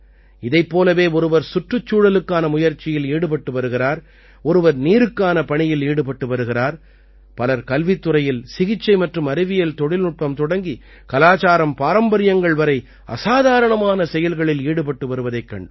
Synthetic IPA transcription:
ɪðɐɪpːoːlɐʋeːɔɾɯʋɐɾsʊʈrɯt͡ʃːuːɽɐlɯkːaːnɐmʊjɐɾt͡ʃːɪjɪliːɽɯp̬ɐʈːɯʋɐɾɯɣɪraːɾ | ɔɾɯʋɐɾniːɾɯkːaːnɐpɐɳɪjɪliːɽɯp̬ɐʈːɯʋɐɾɯɣɪraːɾ | pɐlɐɾkɐlʋɪt̪ːɯɾɐjɪlsɪɣɪt͡ʃːɐɪmɐʈrɯmɐɾɯʋɪjɐlt̪ɔɽɪlnʊʈ̚pːɐmt̪ɔɽɐŋɡi | kɐlaːt͡ʃaːɾɐmpaːɾɐmbɐɾɪjɐŋɡɐɭʋɐɾɐɪ | ɐ̰saːðaːɾɐɳɐmaːnɐsɛjɐlɣɐɭɪliːɽɯp̬ɐʈːɯʋɐɾɯʋɐðɐɪkːɐɳɖɯ

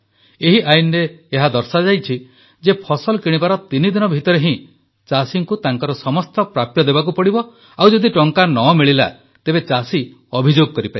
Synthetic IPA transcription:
eɦiʔajnɔɾeːɦad̪ɔɾsad͡ʒajt͡ʃʰi | d͡ʒepʰɔsɔlkiɽ̃ibaɾɔt̪inid̪inɔbʱit̪ɔɾeɦĩ | t͡ʃasiŋkut̪aŋkɔɾɔsɔmɔst̪ɔpɾapjɔd̪ebakupɔɽibɔ | awd͡ʒɔd̪iʈɔŋkanɔmiɭila̰ | t̪ebet͡ʃasi | ɔbʱid͡ʒoɡɔkɔɾipaḭ

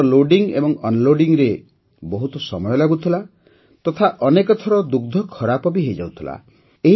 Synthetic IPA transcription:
loɖiŋḛbɔŋɔnloɖiŋɾe | bɔɦut̪ɔsɔmɔjɔlaɡut̪ʰila | t̪ɔt̪ʰaʔɔnekɔt̪ʰɔɾɔd̪uɡ̚d̪ʱɔkʰɔɾapɔbiɦejd͡ʒawt̪ʰila̰ | eɦ

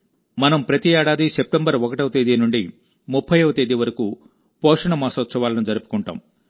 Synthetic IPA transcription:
mɐnɐmpɾɐt̪iɛːɽaːd̪isep̚ʈembɐɾɔkɐʈɐʋɐt̪eːd̪inuɳɖi | mupʰːɐjɐʋɐt̪eːd̪iʋɐɾɐku | pɔːʂɐɳɐmaːsɐɐsɐʋaːlɐnud͡ʒɐɾupukuɳʈa̰ːm

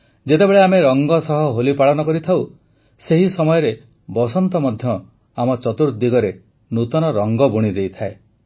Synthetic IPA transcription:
d͡ʒet̪ebeɭeameɾɔŋɡɔsɔɦɔɦolipaɭɔnɔkɔɾit̪ʰaw | seɦisɔmɔjɔɾe | bɔsɔnt̪ɔmɔd̪ʱjɔ | amɔt͡ʃɔt̪uɾd̪iɡɔɾe | nut̪ɔnɔɾɔŋɡɔbuɽ̃id̪ejt̪ʰae

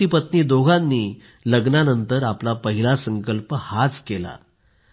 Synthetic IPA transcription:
ipət̪niːd̪oɡʱanːiː | ləɡnanənt̪əɾaplapəɦilasəŋkəlpəhat͡skela̰

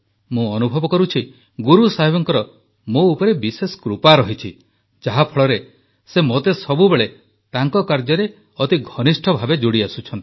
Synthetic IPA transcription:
mũɔnubʱɔbɔkɔɾut͡ʃʰi | ɡuɾusaɦibɔŋkɔɾɔ | moupɔɾebisesɔ̥kɾupaɾɔɦit͡ʃʰi | d͡ʒaɦapʰɔɭɔɾe | semot̪esɔbubeɭe | t̪aŋkɔkaɾd͡ʒɔɾe | ɔt̪iɡʱɔnisʈʰɔbʱabed͡ʒoɽiasut͡ʃʰɔnt̪i

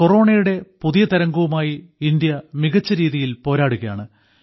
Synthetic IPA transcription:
ko̞ro̞ːɳɐjuɽe̞puðijɐt̪ɐɾɐŋɡuʋumaːjiind̪jɐmiɣɐt͡ɕːɐɾiːðijilpo̞ːɾaːɽuɣɐjaːɳɨ

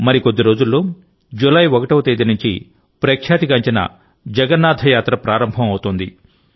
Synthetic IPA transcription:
mɐɾikod̪ːiɾo̞ːd͡ʒulːoː | d͡ʒulɐjɔkɐʈɐwt̪eːd̪inuɲt͡ʃi | pɾeːkʂaːt̪ikɐɲt͡ʃinɐ̰ | d͡ʒɛɡɐnːaːd̪ʱɐjaːt̪ɾɐpɾaːɾɐmbʱɐmɐwut̪ond̪ḭ

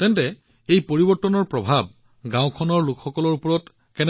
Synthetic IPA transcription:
tɛntɛ | ejpoɹibɔɹtːɔnɔɹpɹɔbʱab̚ | ɡãwkʰɔnɔɹlʊkxɔkɔlɔɹupɔɹɔt | kɛn

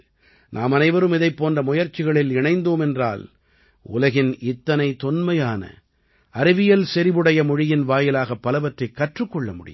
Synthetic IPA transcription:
naːmɐnɐɪʋɐɾɯmɪðɐɪpːoːndrɐmʊjɐɾt͡ʃːɪɣɐɭɪlɪɳɐɪnd̪oːmɛndra̰ːl | ʊ̰lɐɣɪnɪt̪ːɐnɐɪt̪ɔnmɐjaːnɐ̰ | ɐɾɪʋɪjɐlsɛɾɪʋɯɽɐjɐmʊɻɪjɪnʋaːjɪlaːɣɐpːɐlɐʋɐʈrɐɪkːɐʈrɯkːɔɭːɐmʊ̰ɽɪ̰

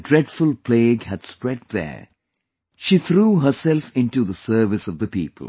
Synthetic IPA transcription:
dɹɛɖfʊlpʰleːɡhæd̥spɾɛd̪̚ðə̰ | ʃiːt̪ɾuːɦəsɛlfɪ̃nʈuðəsəɾʋɪsʌʋd̪əpḭːpəl̩

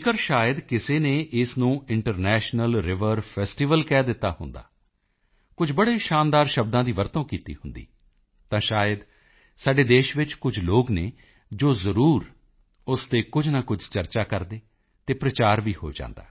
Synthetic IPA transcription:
kəɾʃaːjəd̪kɪseːneːʔɪsnũːɪɳʈəɾnɛːʃnəlɾɪʋəɾpʰɛːsʈiːʋəlkɛːd̪ɪt̪ːaːhʊ̰nd̪a̰ː | kʊd͡ʒʱbəɽeːʃaːnd̪aːɾʃəb̚d̪ãːd̪iːʋəɾt̪õːkiːt̪ḭːhʊnd̪ḭː | t̪ãːʃaːjəd̪ | saːɖeːd̪eːʃʋɪt͡ʃkʊd͡ʒʱloːɡneː | d͡ʒoːzəɾuːɾ | ʊst̪eːkʊd͡ʒnaːkʊd͡ʒt͡ʃəɾt͡ʃaːkəɾd̪eː | t̪eːpɾət͡ʃaːɾʋiːho̰ːd͡ʒã̰ːnd̪a̰ː

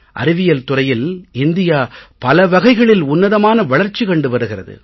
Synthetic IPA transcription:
ʔɐ̰ɾɪʋɪjɐlt̪ʊrɐjɪlɪnd̪ɪjaːpɐlɐʋɐɣɐɪɣɐɭɪlʊnːɐðɐmaːnɐʋɐɭɐɾt͡ʃːikɐɳɖɯʋɐɾɯɣɪrɐðɯ̰

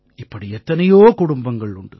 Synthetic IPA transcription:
ɪpːɐɽiɛt̪ːɐnɐjoːkʊɽʊmbɐŋɡɐɭʊɳɖɯ̰

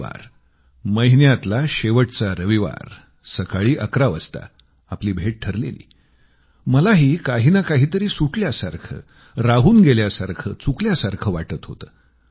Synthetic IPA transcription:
a̰ɾ | məɦinjat̪laɕeʋəʈt͡saɾəʋiʋa̰ɾ | səkaɭiːʔəkɾaʋəst̪a̰ | apliːbʱeʈ̚ʈʰəɾlḛlḭː | məlaɦiːkaɦinakaɦiːt̪əɾiːsuʈljasaɾkʰə̰ː | ɾaɦuːnɡeljasaɾkʰəːt͡sukljasaɾkʰəːʋaʈət̪ɦot̪əː

